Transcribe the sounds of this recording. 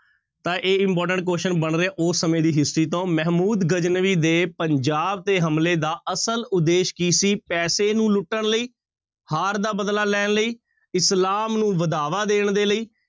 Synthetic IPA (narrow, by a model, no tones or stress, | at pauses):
t̪ãːʔeːɪmpɔːɾʈə̃ɳʈ̚koːʃənbəɳɾəeːʔosːəmẽːd̪iːɦɪsɾiːt̪õːmɛɦmuːd̪ɡəd͡ʒnəʋiːd̪eːpəɲd͡ʒaːb̚t̪eːɦəmleːd̪aːʔəsəlʊd̪eːʃkiːsiːpɛːseːnũːlʊʈːəɳləiː | haːɾd̪aːbəd̪laːlɛːɳləiː | ɪslaːmnũːʋəd̪aːʋaːd̪eːɳd̪eːləiː